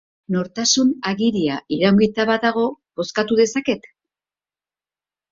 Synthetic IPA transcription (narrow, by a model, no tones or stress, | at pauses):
no̞ɾt̪asunaɣiɾiaʔiɾawŋɡit̪aβaaɣ̞o̞bo̞skat̪uðe̞sake̞t̪